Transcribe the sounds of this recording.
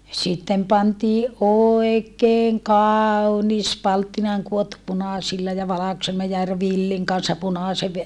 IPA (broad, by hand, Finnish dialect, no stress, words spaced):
sitːem pɑntiːʔ ʔoekeːŋ kɑːu̞nis pɑltːinɑːŋ kuotːu punɑˑsilːɑ jɑ ʋɑlɑkoselːɑ jɑ r ʋilːiŋ kɑnsːɑ punɑˑseʋ